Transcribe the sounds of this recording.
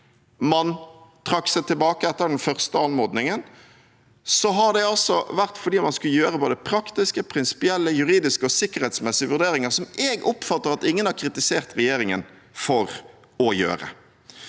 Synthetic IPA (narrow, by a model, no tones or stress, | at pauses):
mɑnt̪ʰɾɑksɛɪt̪ʰɪlbɑːkəɛt̪ːəɾd̪ɛnfœʁst̪əɑnmoːd̪nɪŋən | sɔɦɑd̪ɛɑlsɔʋæʁt̪fɔɖiːmɑnskʉləjøːɾəboːd̪əpʰɾɑkt̪ɪskəpʰɾɪnsɪ̥pɪɛlːəjʉɾiːd̪ɪskəɔsɪkːəɾhɛt̪smɛsɪəʋʉʁd̪eːɾɪŋəsɔmɛːɡɔpfɑt̪ːəɾʁɑt̪ɪŋːənhɑkʰɾɪt̪ɪseːʁt̪ɾɛjeːɾɪŋən | fɔɾ | ɔjø̰ːɾə̰